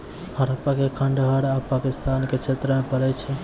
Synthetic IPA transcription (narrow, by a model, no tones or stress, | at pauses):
haɾəpakekʰəɳɖɦəɾapakist̪anket͡ʃʰet̪ɾəmepəɾɛt͡ʃʰɛ